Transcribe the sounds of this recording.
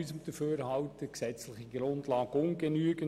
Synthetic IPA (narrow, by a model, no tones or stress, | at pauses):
ysəmd̥̪əføːɾhɑwt̪əksɛt͡slɪχiɡɾʊndlɑːɡʊŋɡ̥enyːəɡən